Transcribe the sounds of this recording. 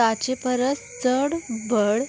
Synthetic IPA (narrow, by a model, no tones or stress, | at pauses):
at͡ɕepəɾəst͡səɽbʱəɽ